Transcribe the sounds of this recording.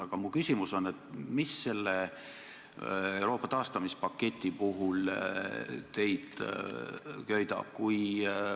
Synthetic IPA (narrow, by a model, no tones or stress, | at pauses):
ɑɡ̥ɑmukysʲimuso̞nːe̞t̪misːe̞lːe | ewɾo̞ːpːˑɑt̪ɑːst̪ɑmispɑkːe̞t̪ʲːˑipuɦul | t̪e̞jd̪̥ | kø̞jd̪ɑ̰b̥̚kuj